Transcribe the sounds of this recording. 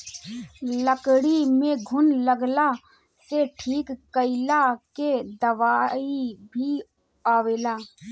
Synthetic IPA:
ləkɽimẽɡʱʊnləɡlaː | t̪eʈʰiːkːəɪlaked̪əʋaːibʱi | aːʋeːlaː

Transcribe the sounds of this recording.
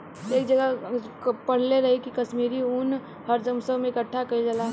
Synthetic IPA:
eːk̚d͡ʒɐɡa | pɐɽ̤leɾɐɦekikɐʃmiːɾiʊn | həɾd͡ʒəmsəɦmẽɪkəʈʰːakɐid͡ʒɐla

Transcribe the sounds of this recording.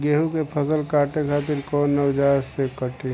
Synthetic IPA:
ɡeːɦukepʰəsəlkaːʈekʰaːt̪̬ɪɾkɔːnːəwd͡ʒaːɾsekəʈe

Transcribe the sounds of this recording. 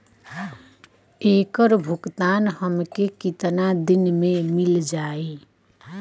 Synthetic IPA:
ekəɾbʱukt̪anhəmkekit̪nad̪inmemild͡ʒae

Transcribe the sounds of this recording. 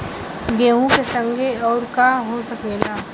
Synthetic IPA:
ɡeːɦũkesə̃ŋɡʱeɔːɾkaɦosɐkeːlaː

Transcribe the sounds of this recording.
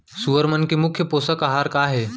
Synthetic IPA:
suʋəɾmənkemʊkʰːjəposəkaɦaɾkaɦe

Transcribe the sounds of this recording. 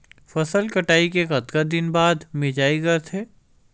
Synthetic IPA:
fɐsəlkɐʈaːikekɐt̪kad̪ɪnbaːd̪mɪd͡ʒaːiɡɐt̪ʰeː

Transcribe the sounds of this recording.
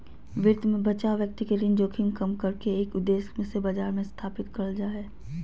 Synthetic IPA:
ʋɪɾd̪mẽbɐt͡ʃaːoʋjək̚t̪ikeɾɪ̃nd͡ʒoːkʰɪmkɐmkɐɾkeeːkʊd̪ːeːsmẽsebɐd͡ʒaːɾmẽst̪ʰaːpɪt̪kɐɽəd͡ʒaːeː

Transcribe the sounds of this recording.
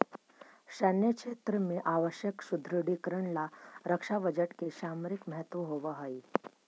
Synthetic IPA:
ʃənjəʃʰet̪ɾəmeʔaʋəʃjəksud̪ʱɾəɽikɾəɳlaɾəkʂabəd͡ʒəʈkeʃamɾikməɦɛt̪ʋəɦoʋəɦəi

